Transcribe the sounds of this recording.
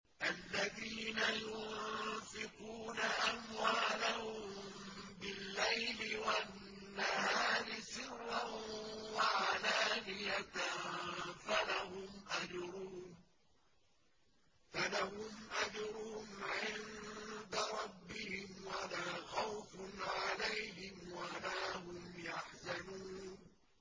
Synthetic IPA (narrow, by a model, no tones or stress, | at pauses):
ʔalːaðiːnajʊnfɪquːnaʔamwaːlahʊm | bɪlːajlɪwanː | ahaaːɾɪsɪrːaʊmwaʕalaːnɪjat̪ | falahʊmʔad͡ʒɾuːn | falahʊmʔad͡ʒɾˤʊʊmʕɪnd̪aɾˤɑbːɪhɪmwalaːxawfʊnʕalajɦɪmwalaːɦʊmjaħzanuːnn